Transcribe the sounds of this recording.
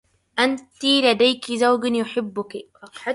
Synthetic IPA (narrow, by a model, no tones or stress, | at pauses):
ʔant̪ilad̪ajkizawɡɪnjʊħɪbːʊki